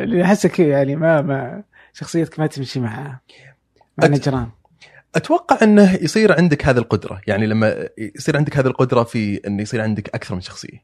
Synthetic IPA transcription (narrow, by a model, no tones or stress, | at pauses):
liħɪsːakjaʕnimama | ʃɑxsˤɨjːakmat̪ɪmʃimaʕaha | maʕnːad͡ʒɾˤɑːn | ʔat̪awɑqːɑʕʔɪnːahjsˤiːɾʕɪnd̪ɪkhaːðilqʊd̪ɾˤɑ̰jaʕnilamːa̰jsˤiːɾʕɪnd̪ɪkhaːðilqʊd̪ɾˤɑfiʔɪnːjsˤiːɾʕɪnd̪ɪkʔakθɑɾˤmɪnʃɑ̥xsˤɨ̰jːa